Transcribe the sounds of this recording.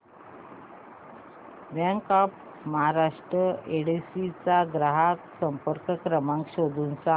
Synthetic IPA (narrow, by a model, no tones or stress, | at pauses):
bãŋkap | məɦaɾaʂʈɾəeɽisit͡saɡɾaɦaksəmpəɾkəkɾəmaŋkɕod̪ʱunsã